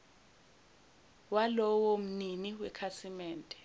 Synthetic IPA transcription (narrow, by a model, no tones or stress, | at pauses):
walɔwom̩niniwɛkʰasimɛːntʼɛ̥